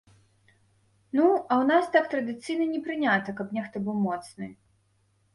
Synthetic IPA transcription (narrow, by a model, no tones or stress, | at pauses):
nuɐwnast̪ak̚t̪ɾɐd̪ɨt̪sɨjnɐnʲɛpɾɨnʲat̪ɐkɐpnʲɛxt̪ɔbɨwmɔt̪snɨ